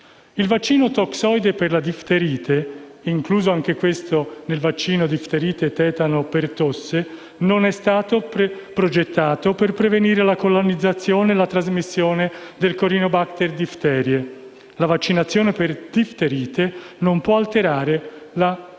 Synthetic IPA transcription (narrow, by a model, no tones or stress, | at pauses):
ilvat͡ʃːiːnot̪ɔksɔjd̪eperlad̪ift̪eɾiːt̪ʰeiŋkluːzoaŋk̟ekwest̪onelvat͡ʃːiːnod̪ift̪eɾiːt̪et̪ɛːt̪anopert̪osːe | nonɛst̪aːt̪o | pɾod͡ʒet̪ːaːt̪operpɾeveniːɾelakolonid̪zːat̪sːjoːnelat̪ɾazmisːjoːned̪elkoɾiːnobakt̪erd̪ift̪ɛːɾje | lavat͡ʃːinat̪sːjoːneperd̪̥ift̪eɾiːt̪enompwɔalt̪eɾaːɾela